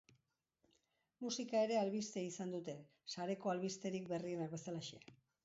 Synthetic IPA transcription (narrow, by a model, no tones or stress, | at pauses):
musikaeɾe̞alβist̪eisand̪ut̪e̞ | saɾe̞ko̞alβist̪e̞ɾikbe̞rie̞nakbe̞salaʃea